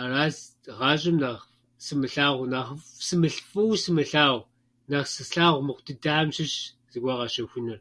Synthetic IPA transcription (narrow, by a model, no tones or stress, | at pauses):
araːz | ʁɑːɕʼɪmnaʁ | sɨmɨɬaːʁʷnaːχfsɨmɨɬfʼɨwsɨmɨɬaːʁʷ | naχsɨsɬaːʁʷmɨχʷtʰɨdamʃɪɕ | zɨɡʷɐʁɑʃɐxʷʊnɨr